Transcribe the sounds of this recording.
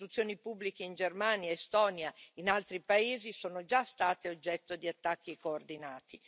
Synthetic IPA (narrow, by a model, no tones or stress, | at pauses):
t̪ut̪sːjoːnipubːlik̟eind͡ʒermaːnjaest̪ɔːnjainalt̪ɾipaeːzisoːnod͡ʒast̪aːt̪eod͡ʒːɛt̪ːod̪iat̪ːak̟ːikoːrd̪inaːt̪i